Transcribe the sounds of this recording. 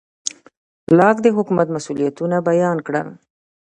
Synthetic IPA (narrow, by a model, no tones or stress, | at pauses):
lɑkd̪əɦʊkumat̪masulijat̪unabajɑnkɽa̰l